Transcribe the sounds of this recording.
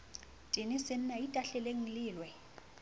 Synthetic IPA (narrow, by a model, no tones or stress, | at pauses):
tʼinɪsɪn̩naitʼaɬɛleŋ̩lɪːlwɛ